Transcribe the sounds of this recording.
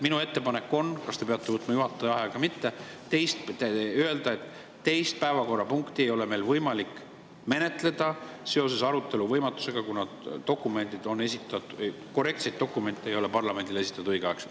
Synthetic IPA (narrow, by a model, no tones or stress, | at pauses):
minue̞t̪ːe̞pɑne̞kːo̞nkɑst̪e̞pe̞ɑt̪ːˑe̞vɤt̪ːˑmɑjuɦɑt̪ːˑeɑeɡ̥ɑmit̪ːe̞t̪e̞jst̪pt̪eye̞ld̪ɑe̞t̪ː | e̞jst̪̚pæevɑko̞rːɑpuŋkt̪ie̞jo̞le̞me̞jlvɤjmɑlikː | me̞ne̞t̪ˑle̞d̪̥ɑse̞o̞s̬e̞sɑɾut̪ːˑe̞luvɤjmɑt̪ːˑu̥se̞ɡ̥ɑkunɑd̪̥ːo̞kːˑume̞nʲd̪id̪o̞nːe̞sit̪ːˑɑt̪ | ko̞rˑe̞kt̪se̞jt̪̚ːo̞kːˑume̞nʲt̪ːˑeejo̞lepɑrlɑme̞nʲd̪̥ile̞si̥t̪ːˑɑd̪̥ɯjɡ̥eɑeks